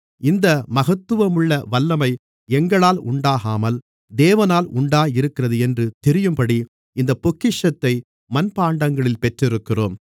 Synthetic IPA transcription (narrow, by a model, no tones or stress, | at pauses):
ɪnd̪ɐmɐɣɐt̪ːɯʋɐmʊɭːɐʋɐlːɐmɐɪ | ɛŋɡɐɭaːlʊɳɖaːɣaːmɐl | d̪eːʋɐnaːlʊɳɖaːjɪɾɯkːɪrɐðɯɛndrɯt̪ɛɾɪjɯmpɐɽi | ɪnd̪ɐpːɔkːɪʂɐt̪ːɐɪ | mɐnpaːɳɖɐŋɡɐɭɪlpɛʈrɪɾɯkːɪro̰ːm